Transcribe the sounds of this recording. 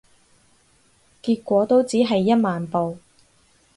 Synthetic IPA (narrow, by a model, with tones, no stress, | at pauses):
kiː˧t̚kʷɔː˨˥t̪o˥wt͡siː˨˥ɦɐ˨jːɐ˥t̚maː˨npo˨w